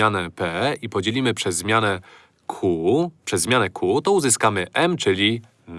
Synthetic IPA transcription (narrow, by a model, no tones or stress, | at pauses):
anɛpɛipɔd͡ʑelʲimɘpʂɛzːmʲjanɛ | kʰupʂɛzːmʲjanɛkʰut̪ɔuzɘskamɘʔɛmt͡ʂɘlʲi | n